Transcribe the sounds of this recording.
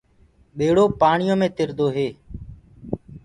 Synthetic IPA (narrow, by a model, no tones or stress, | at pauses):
ɓeːɽoːpaːɳɪjõːmẽːt̪ɪɾd̪ʱoːɦeː